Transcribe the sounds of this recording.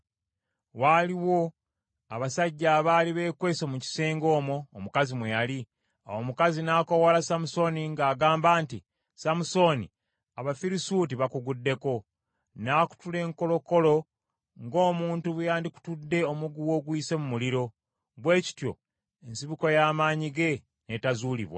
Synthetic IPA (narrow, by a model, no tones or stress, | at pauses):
waːliwo̞ | aβasaɟːaːβaːliβe̞ːkwe̞ːsomuci̥seːŋɡo̞ːmoːmukazimwejali | a̰womukazinaːko̞wolasamuso̞niŋɡaːɡaːmbaːnti | samuso̞nḭ | aβafiɾisutiβakuɡudːe̞ko̞ | naːku̥tule̞ːŋko̞lo̞ko̞lo̞ | ŋɡo̞ːmuːntuβujaːndiku̥tudːe̞o̞muɡuwo̞ːɡwiːse̞mumuliɾo̞ | βwe̞ːci̥tjo̞̰ | ensiβuko̞jaːmaːɲiɡe̞ | ne̞tazuːlḭβwa̰